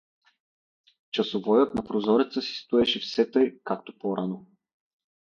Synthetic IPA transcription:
t͡ʃɐsovɔjət̪nɐpɾozɔɾɛt̪səsi̥st̪uɛʃɛfsɛt̪ɤjkakt̪o̥pɔɾano

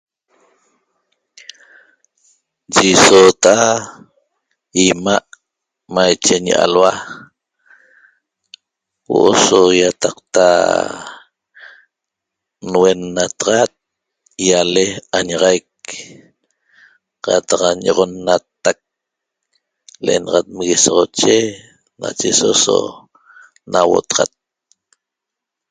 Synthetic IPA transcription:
d͡ʒisot̪a | imaʔ | majt͡ʃeɲiʔa̰lwa | wo̰ʔosojat̪ɑqt̪a̰ | nwe̞nːat̪ʁɑt̪̚ | jaleaɲaʁɑjk̚ | qɑt̪ɑqɲoʁonːat̪ːak̚ | leʔḛnɑʁɑt̪̚mɣisoʁot͡ʃe | na̰t͡ʃesoso̰ | nʔawo̰t̪ʁɑ̰t̪̚

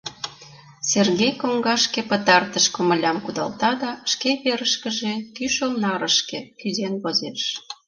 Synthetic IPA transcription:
serɣejkoŋɡɑʃkĕpə̆t̪ɑrt̪əʃkŏmə̆lʲɑmkud̪ɑlt̪ɑd̪ɑʃkeβeɾəʃkə̆ʒekyʃəlnɑɾə̆ʃkekyzenβozeʃ

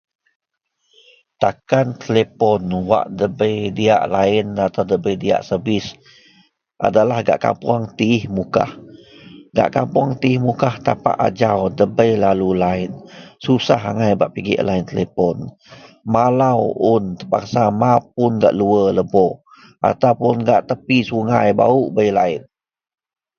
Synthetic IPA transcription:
t̪akant̪əlepɔnwa̰ʔdəbəjdia̰ʔlaɪnat̪awdəbəjdia̰ʔsəbɪs | ʔa̰dalahɡa̰ʔka̰mpuaŋt̪iːhmuka̰h | ɡa̰ʔkampuaŋt̪iihmukaht̪apa̰ʔa̰d͡ʒawdəbəjlalulaɪnsusaɦa̰ŋajbaʔpiɡḭʔlaɪnt̪əlepɔn | malawʊnt̪əpa̰ksamap̚ʊnɡa̰ʔluələbɔ | ʔa̰t̪awpʊnɡaʔt̪əpisuŋajba̰uʔbəjlaɪn

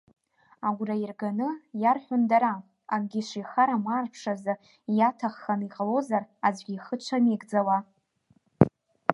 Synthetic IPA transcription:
aɡʷrairɡanɨjarħʷᶣʊndaɾa | amɡʲiʂijχaɾamaːrpʰʂaza | jatʰaχːaniqʼalo̞zarazʷɡʲiχət͡ʃʷʰaniɡd͡zawa

